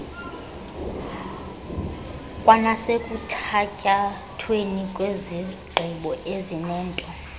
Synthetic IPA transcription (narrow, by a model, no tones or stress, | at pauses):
kʼwanasekʼutʰacʼa | tʰwenikʼweziɡ͡ǃʱiɓɔʔezinɛːntʼɔ